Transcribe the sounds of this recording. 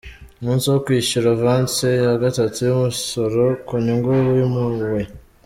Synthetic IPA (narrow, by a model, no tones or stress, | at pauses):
omuːnsiwokwiːʃuɾavaːnt͡sejaɡatatujumuso̞ɾo̞kuɲuŋɡewjumuwe̞